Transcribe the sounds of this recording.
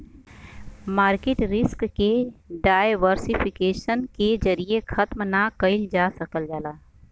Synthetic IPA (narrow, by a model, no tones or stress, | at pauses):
maːɾkeːʈɾɪskːeɖaːjʋəɾsipʰɪkeːʃənked͡ʒɐɾiexʰɐt̪mnakəɪld͡ʒaːsɐkəld͡ʒaːlaː